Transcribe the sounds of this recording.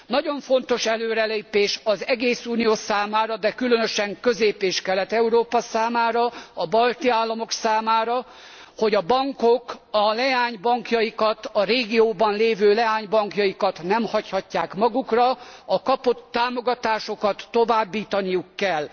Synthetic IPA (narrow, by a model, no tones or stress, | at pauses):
nɒɟo̞ɱfo̞nt̪o̞ʃɛløːɾɛleːpeːʃɒzɛɡeːsuːnijoːsaːmaːɾɒd̪ɛkylønøʃɛŋkøzeːpeːʃkɛlɛt̪ɛuɾoːpɒsaːmaːɾɒɒbɒlt̪iaːlːɒmo̞ksaːmaːɾɒ | ho̞ɟɒbɒŋko̞kɒlɛaːɲbɒŋkjɒjikɒt̪ɒɾeːɡioːbɒnleːvøːlɛaːɲbɒŋkjɒjikɒt̪nɛmhɒchɒcːaːkmɒɡukrɒɒkɒpo̞t̪ːaːmo̞ɡɒt̪aːʃo̞kɒt̪ːo̞vaːbːiːt̪ɒnijukːɛlː